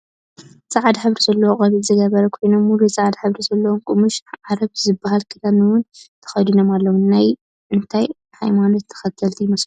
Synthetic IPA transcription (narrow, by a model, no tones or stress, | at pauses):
sʼaʕad̪ħɨβɾizɐlːɐwoχʼɐβizɨɡɐβɐɾɐkʰo̞jno̞muɾisaʕad̪ħɨβɾizɐlːɐwomkʼumuʃʕaɾɐβzɨbːahalkʰɨt̪ʰamɨwʊnt̪ʰɐ̥xɐjd̪ino̞malːɐwunaj | ʔɨnt̪ʰaj | ħa̰jmanot̪ʰːɐ̥xɐt̪ʰːɐlt̪ʰijɪmɐslu